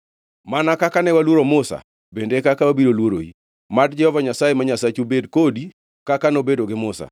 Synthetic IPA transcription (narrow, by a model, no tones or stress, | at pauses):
manakakanɛwalwoɾomʊsa̰ | bendekakawabiɾolwoɾo̰ḭ | madd͡ʒɛhɔvaɲasajemaɲasat͡ʃubedkodi | kakanobedoɡɪmʊsa̰